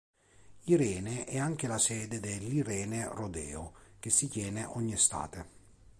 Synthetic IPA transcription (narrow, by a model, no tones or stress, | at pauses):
iɾɛːneʔɛaŋk̟elasɛːd̪ed̪elːiɾɛːnerod̪ɛ̰ːo̰k̟esːit̪jɛːneʔɔɲːist̪a̰ːt̪e